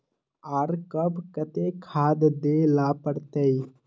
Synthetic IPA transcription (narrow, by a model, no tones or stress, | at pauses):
aːɾkəbkət̪ekʰaːd̪d̪elapəɽt̪əi